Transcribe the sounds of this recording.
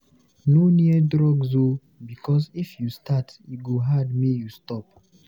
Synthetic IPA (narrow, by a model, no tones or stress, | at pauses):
noniɛdɹɔɡzo | bikʰɔsifjustʰatiɡoɦadmijustɔp